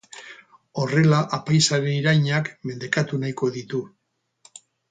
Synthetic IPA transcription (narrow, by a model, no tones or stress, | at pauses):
o̞re̞laʔapajsaɾeniɾajɲakme̞nd̪e̞kat̪unajko̞ðit̪u